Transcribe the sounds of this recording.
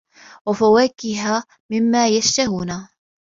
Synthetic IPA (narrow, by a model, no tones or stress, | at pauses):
wafawaːkɪɦaː | mɪmːaːjaʃt̪ahuːna